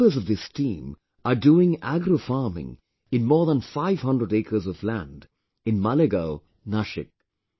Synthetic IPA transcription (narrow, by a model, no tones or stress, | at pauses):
əzʌvðɪstʰĩːm | əɖuːɪ̃ŋæɡɾofɑɹmɪ̰̃ŋ | ɨ̃nmɔːɹðə̃nfaɪv̥hʌ̃ndɾəɖeɪkʰə˞zɔvlæ̃nd | ɪ̃nmaleɡoʊ | naʃɪ̰k̚